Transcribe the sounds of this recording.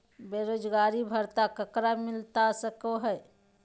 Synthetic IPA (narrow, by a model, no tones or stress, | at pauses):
beɾod͡ʒɡaɾibʱəɾt̪akəkɾamilt̪asəkəɦəj